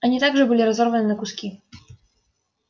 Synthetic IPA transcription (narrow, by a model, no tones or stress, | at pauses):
anʲit̪aɡʐɛbɨlʲiɾazɔɾvɐnɨnɐkuskʲi